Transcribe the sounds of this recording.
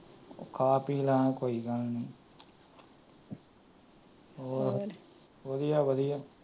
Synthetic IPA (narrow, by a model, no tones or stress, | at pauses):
okʰaːpiːlaːãkoːiːɡəlnĩː | oː | ʋəd̪ijaːʋəd̪ijaː